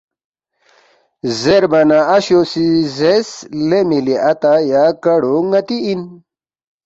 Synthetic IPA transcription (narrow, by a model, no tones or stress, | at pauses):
zeɾbɐnaɐɕosizeslemiliʔɐt̪ajakɐɽoŋɐt̪iin